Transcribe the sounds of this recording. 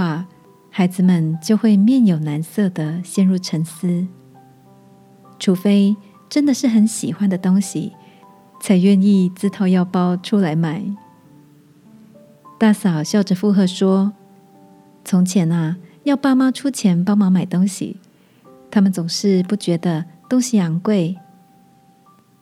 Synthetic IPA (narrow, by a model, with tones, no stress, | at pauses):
wa˥˩ | xa˧˥ɪd͡zɹ̩˨mə˨nt͡ɕjo˥˧ʊxwe˥˧ɪmjɛ˥˩njo˨˩ʊna˧˦nsɤ˥˩d̪ə˩ɕjɛ˥˧nɻu˥˩ʈ͡ʂʰə˧˥ŋs̩˥ | ʈ͡ʂʰu˧˥fe˥ɪ | ʈ͡ʂə˦˥nd̪ə˨ʂɻ̩˥˩xə˧˥nɕi˨˩xwa˦nd̪ə˨t̪ʊ˥ŋɕḭ˨ | t͡sʰa˧˥ɪɥɛ˥˧ni˥˩t͡sɹ̩˥t̪ʰo˧˥ʊjɑ˥˩ʊpɑ˥ʊʈ͡ʂʰu˥la˧˥ɪma˨˩˦ɪ | t̪a˥˩sɑ˨˩ʊɕjɑ˥˩ʊʈ͡ʂə˨˩fu˥˧xɤ˥˩ʂwɔ˥ | t͡sʰʊ˧˥ŋt͡ɕʰjɛ˧˥na˧jɑ˥˩ʊpa˥ma˥ʈ͡ʂʰu˥t͡ɕʰjɛ˧˥npɑ˥ʊmɑ˨˧˥ŋma˨˩ɪt̪ʊ˥ŋɕḭ˨ | t̪ʰa˥mə˨nt͡sʊ˨˩ŋʂɻ̩˥˧pu˥˩t͡ɕɥɛ˧˥d̪ə˨t̪ʊ˥ŋɕi˨a˧˥ŋkwe˥˩ɪ